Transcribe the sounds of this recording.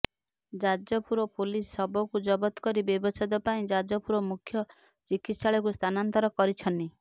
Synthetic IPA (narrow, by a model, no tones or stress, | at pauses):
d͡ʒad͡ʒɔpuɾɔpulisːɔbɔkud͡ʒɔbɔt̪ɔ̥kɔɾibebɔsad̪ɔpaĩd͡ʒad͡ʒɔpuɾɔmukʰjɔ | t͡ʃikit̪saɭɔkust̪ʰanant̪ɔɾɔkɔɾit͡ʃʰɔnt̪i